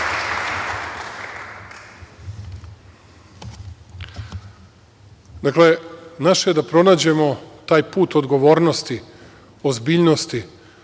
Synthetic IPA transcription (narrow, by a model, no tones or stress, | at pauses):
d̪akle̞naʃejed̪apɾo̞naːd͡ʑe̞mo̞t̪aːjpuːt̪o̞d̪ɡo̞ʋoːɾnost̪i | ozbiːʎnost̪i